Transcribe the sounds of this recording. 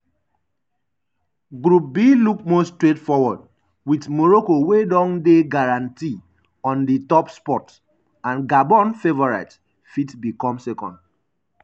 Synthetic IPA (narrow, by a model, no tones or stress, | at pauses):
ɡɹup̚biluk̚mostɹetfɔwɔd | witmɔɹokowedɔ̃ndeɡaɹãnti | ɔ̃nditɔpspɔt | ãnɡabɔ̃nfevɔɹaɪt | fitbikɔ̃msɛkɔ̰̃nd